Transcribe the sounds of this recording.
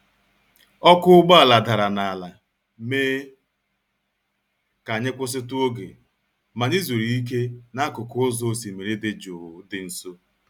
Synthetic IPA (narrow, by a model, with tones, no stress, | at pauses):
ɔ˦kʊ˦ʊ˦ɡ͡ba˦a˨la˨da˨ɾa˨na˨a˨la˨ | meː˦ | ka˨ɲɪ˦kʷʊ˦s̬ɪ˦tʊ˦o˦ɡḛ˨ | ma˨ɲi˦zo˨ɾi˨i˦k̬e˦na˦kʊ˨kʊ˦zo˦si˨me˨ɾe˦dɪ˨d͡ʒʊ˨ɾʊ˨dɪ˨n̩˨so˦